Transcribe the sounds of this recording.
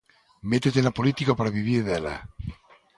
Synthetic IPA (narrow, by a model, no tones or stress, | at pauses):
met̪et̪enapolit̪ikapaɾaβiβiɾðela̰